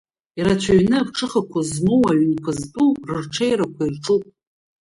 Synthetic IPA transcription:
iɾat͡ɕʷʰaɥnɨvʈ͡ʂʰɨχakʷʰazmowaɥnkʷʰɨztʼurɨrʈ͡ʂʰejɾakʷʰairʈ͡ʂʼupʼ

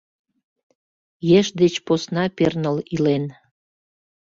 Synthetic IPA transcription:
jeʃd̪et͡ɕposnɑpernəlilen

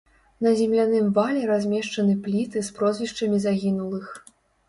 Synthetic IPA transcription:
nɐzʲɛmlʲanɨmvalʲɛɾazʲmʲɛʂt͡ʂɐnɨplʲit̪ɨspɾɔzʲvʲiʂt͡ʂɐmʲizaɣʲinulˠɨx

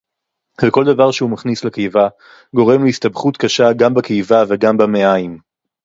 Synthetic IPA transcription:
veko̞ld̪avaʁʃeumaχnislekejva | ɡo̞ʁe̞mliistabχut̪kaʃaɡambakejvaveɡambameaim

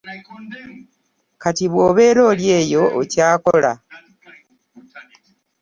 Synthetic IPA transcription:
katiβwo̞ːβe̞ːɾo̞ːljeːjo̞ocaːkola̰

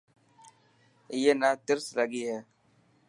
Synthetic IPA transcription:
ɪjeːnaːt̪ɪɾsləɡiːɦɛː

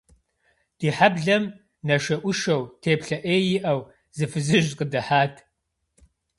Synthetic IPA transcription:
d̥iːħabɮɐm | nɐʃɐʔʷʊʃɐwtʰeːpɬɐʔeːjɪʔɐw | zɨfɨzɨʒqədɐħaːtʰ

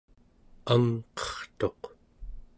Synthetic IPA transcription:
amqʌ̥χt̪o̞q

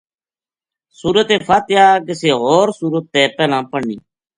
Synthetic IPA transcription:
suːɾət̪ẽːpʰaːt̪ɪjaːkɪseːɦoːɾsuːɾət̪ːeːpɛːlãːpəɳːḭː

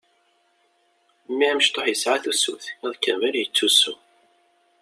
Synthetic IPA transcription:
mːiʕæməʃt̪ˤːoħjəsʕaθusṵθæðˤkːənvæljət͡sːusu

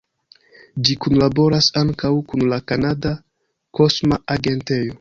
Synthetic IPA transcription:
d͡ʒikunlabo̞ɾasaŋkawkunlakanada | ko̞smaaɡe̞nte̞jo

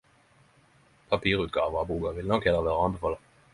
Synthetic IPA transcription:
pʰɑpʰiːʁʉːt̪̚ɡ̥ɑ̰ːʋəʁɑbuːɡɑʋɪlnɔkhɛləʁʋæːʁəɑnbəfɑːləʁ

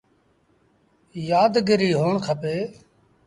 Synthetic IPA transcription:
jaːd̪ɡəɾiːɦoːɳkʰəpeː

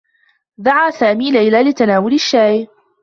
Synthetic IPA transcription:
d̪aʕaːsaːmiːlajlaːlɪt̪anaːwʊlɪʃːaːj

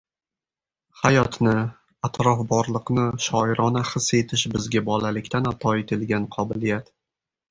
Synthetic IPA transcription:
hajɒt̪nɪ | at̪ɾɒfbɒɾlˠɨqnɪʃɒɪɾɒnaχɨse̞t̪ʰɪʃbɪzɡʲabɒlalɪkʲt̪ʰanat̪ʰɒɪt̪ʰɪlɡʲanqʰɒbɪlijat̪

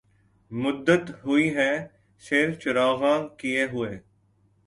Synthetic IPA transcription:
mʊd̪ːət̪ɦʊiɦɛː | sɪɾt͡ʃʊɾaːɣãːkieɦʊeː

